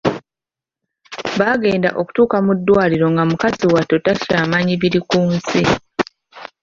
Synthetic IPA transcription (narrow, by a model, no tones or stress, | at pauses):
βaɡe̞ːnda̰ʔo̞ku̥tuːkamudːwaːliɾo̞ŋɡamukaziwatːo̞tasiɾamaɲiβiɾikuːnsi